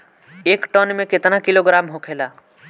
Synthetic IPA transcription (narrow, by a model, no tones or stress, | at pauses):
eːkʈɔnmẽkɪt̪nakiloɡɾaːmɦokʰeːla